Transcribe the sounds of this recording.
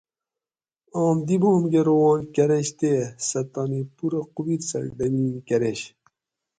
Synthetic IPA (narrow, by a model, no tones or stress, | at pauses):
ɑːmd̪iboːmɡeɾowɑ̃ːnkɐɾeɕt̪esɐt̪ːɑːnipuɾɐqubitsɐ̰ɾɖɐmiːnkɐɾeɕ